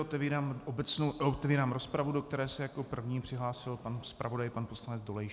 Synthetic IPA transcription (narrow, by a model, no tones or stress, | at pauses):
ot̪ɛviːɾaːmobɛt͡snoot̪ɛviːɾaːmɾo̞spɾavudo̞k̚t̪ɛɾɛːsɛjako̞pr̩vɲiːpr̝̥ɪɦlaːsɪlpanspɾʔavo̞dajpanpo̞slanɛd͡zdolɛj